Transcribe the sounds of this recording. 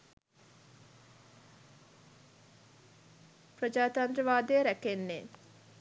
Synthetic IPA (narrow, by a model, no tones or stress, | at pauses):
prəd͡ʒaːt̪and̪ɾəʋaːd̪ejɾækenːe